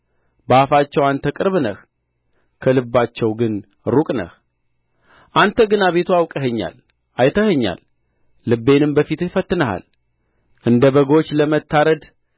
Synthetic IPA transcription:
bəafat͡ʃːɛwant̪ʰəkʼɨɾβnəh | kʰəlɨbːat͡ʃːɛwɡɨn | ɾukʼnə̰h | ʔant̪ʰəɡɨnaβe̞t̪ʰuawkʼəɦəɲːa̰l | ajt̪ʰəhəɲːa̰lː | ɨbːe̞nɨmbəfit̪fət̪ːɨnəɦa̰l | ʔɨnd̪əβəɡo̞t͡ʃːləmət̪ːaɾəd̪

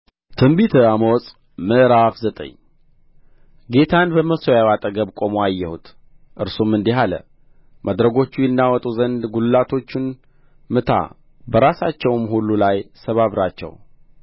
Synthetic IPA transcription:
t̪ʰɨmbit̪ʰəamosʼ | məʔɾafzət̪ʼə̰ɲː | ɡe̞t̪ʰanbəməsojawat̪ʼəɡəβkʼo̞moajːɛhut̪ʰ | ʔɨɾsumɨnd̪iɦalə̰ | mʔad̪ɾəɡo̞t͡ʃːujɛnːawɔt̪ʼuzənd̪ɡullat̪ʰo̞t͡ʃːɪn | mɨt̪ʰa̰ | bəɾasat͡ʃːɛwmhulːulajsəβaβɾat͡ʃːɛ̰w

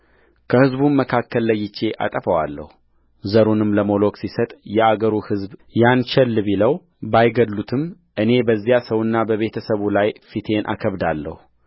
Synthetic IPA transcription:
kʰəhɨzbunməkʰakːəlːəjːɪt͡ʃːe̞ʔa̰t̪ʼəfəwalːə̰hu | zəɾunɨmləmo̞lo̞kʼsisət̪ʼjɛaɡəɾuhɨzbjant͡ʃɛlːβiləw | bajɡəd̪lut̪ʰɨm | ʔɨne̞bəzːijasəwɨnːabəβe̞t̪ʰəsəβulajfit̪ʰe̞nʔa̰kʰəβd̪alːə̰hu

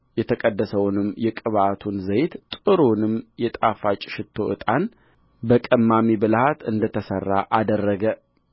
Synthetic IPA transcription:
jɛt̪ʰəkʼəd̪ːəsəwnɨmjɛkʼɨβat̪ʰunzəjt̪t̪ʼɨɾonɨmjɛt̪ʼafat͡ʃʼɪ̥ʃɪt̪ʰːo̞ʔɨ̰t̪ʼan | bəkʼəmːamibɨlhat̪ʰɨnd̪ət̪ʰəsərːa̰ʔad̪ərːəɡə

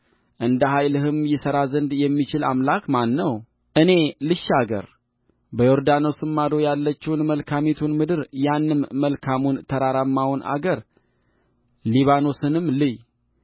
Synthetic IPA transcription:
ʔɨnd̪əɦajlɨɦɨmjɪsəɾazɨnd̪jɛmːit͡ʃɪla̰mlakmanːəw | ʔɨne̞lɨʃːaɡə̰ɾ | bəjoɾd̪ano̞sɨmːad̪o̞jalːət͡ʃːɛwnməlkʰamet̪ʰunmɨd̪ɨɾjanːɨmːəlkʰamunt̪ʰəɾaɾamːawunʔa̰ɡəɾ | liβano̞sɨnɨmːlɨj

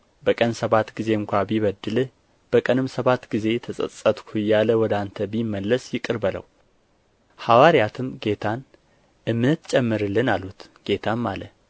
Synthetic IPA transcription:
bəkʼənsəβat̪ɡize̞ɨŋkʷabiβəd̪ɨlɨ | b̥əkʼənɨmsəβat̪ɡize̞t̪ʰəsʼə̰sʼət̪ʼkʰujaləwɔd̪ant̪ʰəbimːəlːəsjɪkʼɨɾbələ̰w | hawaɾijat̪ʰɨmɡe̞t̪ʰan | ʔɨmːnət̪t͡ʃʼɛmːɨɾɨlːɨnalut̪ɡ̥e̞t̪ʰanmalə̰

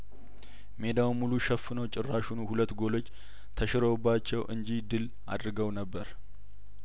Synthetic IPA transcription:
me̞d̪awmːuluʃəfːɨnəwt͡ʃʼɪrːaʃunuhulət̪ːɡo̞lo̞t͡ʃː | t̪ʰəʃɪɾobːat͡ʃːɛwʔɨɲd͡ʒid̪ɨl | a̰d̪ɾɨɡəwnəbːəɾ

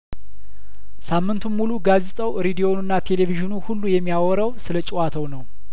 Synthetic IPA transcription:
samːɨnt̪ʰumːuluɡazet̪ʼəwɾed̪ijo̞nɨnːat̪ʰe̞le̞viʒɨnuhulːujɛmːijawɔɾəwsɨlət͡ʃʼiwat̪ʰəwnəw

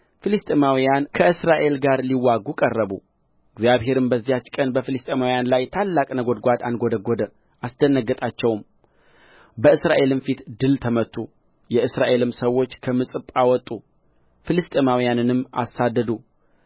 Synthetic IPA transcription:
fɨlɨst̪ʼemawijankʰəʔɨsɾaʔe̞lɡaɾliwːaɡukʼərːəbṵ | ɨɡzjaβɦe̞ɾɨmbəzːijat͡ʃːkʼənbəfɨlɨst̪ʼemawijanlajt̪ʰalːakʼnəɡod̪ɡʷat̪anɡo̞d̪əɡod̪ə | ʔasd̪ənːəɡːət̪ʼat͡ʃːɛwm | bəɨsɾaʔe̞lɨnfit̪d̪ɨlt̪ʰəmət̪ʰːu | jɛɨsɾaʔe̞lɨmsəwo̞t͡ʃːkʰəmɨsʼɨpʼawɔt̪ʼːu | fɨlɨst̪ʼemawijanɨnɨmːa̰sad̪ːəd̪u

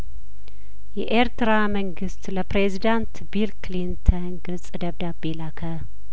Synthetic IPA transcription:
jɛʔeɾt̪ɨɾaməŋɡɨst̪ləpɾezid̪ant̪bilklint̪ʰənnɡɨsʼd̪əβd̪abelakʰə

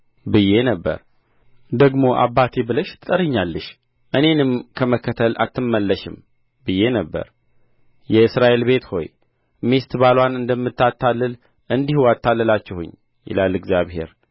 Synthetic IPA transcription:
bɨje̞nəbːə̰ɾ | d̪əɡmo̞ʔa̰bːat̪ʰebɨləʃt̪ʰɨt̪ʼəɾɨɲːalːɨʃ | ʔɨne̞nɨmkʰəməkʰːət̪ʰəla̰t̪ːɨmːəlːəʃɪm | bɨjːe̞nəbːə̰ɾ | jɛɨsɾaʔe̞lbe̞t̪ho̞̰j | mist̪balwanɨnd̪əmːɨt̪ːat̪ːalːɨl | ʔɨnd̪ihuat̪ʰːalːɨlat͡ʃːɛhʊ̰ɲː | jɪ̰lalɨɡzjaβhe̞̰ɾ

